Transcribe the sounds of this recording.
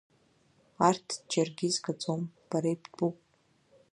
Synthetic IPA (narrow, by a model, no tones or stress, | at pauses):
artʰd͡ʒarɡʲizɡat͡sʼomb̥aɾejpʰtʼupʼ